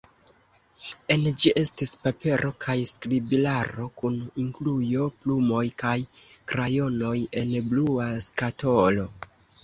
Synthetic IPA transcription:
e̞nd͡ʒiʔe̞stispape̞ɾʔo̞kʰajskɾibilaɾo̞kuniŋklujo̞plumo̞jkajkɾajo̞no̞je̞nbluaskatʰo̞lo̞

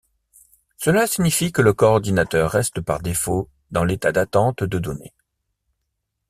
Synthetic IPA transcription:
səlasiɲifikələkɔːʁd̪inat̪œʁːɛst̪əpaʁd̪efo | d̪ɑ̃let̪ad̪at̪ɑ̃t̪d̪əd̪ɔnḛ

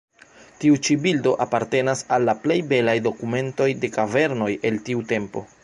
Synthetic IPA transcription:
tiut͡ʃibildo̞ʔapaɾte̞nasalːaple̞jbe̞lajdo̞kume̞nto̞jde̞kave̞ɾno̞je̞ltiute̞mpo̞̰

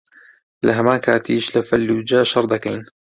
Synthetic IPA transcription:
laɦamaːka̰ːt̪ʰiːʃlafalːud͡ʒaːʃɑɾˤd̪ˤɑkaːn

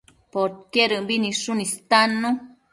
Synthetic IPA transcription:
poɾkeɾəmbiniʂunist̪anːu

